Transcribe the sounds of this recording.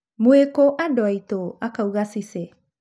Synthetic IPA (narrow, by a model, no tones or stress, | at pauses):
muekoʔadoajt̪oakawɡasise